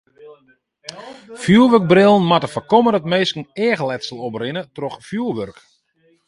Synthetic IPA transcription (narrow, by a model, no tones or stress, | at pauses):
fjuːəʋørk̚brɪlˠən̩matəfəkɔmərətmeːskən̩ɛːɣəlɛtsəlˠɔprɪnətrɔxfjuːəʋørk